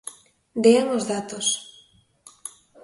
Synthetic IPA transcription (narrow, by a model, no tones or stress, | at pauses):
d̪eaŋozðat̪os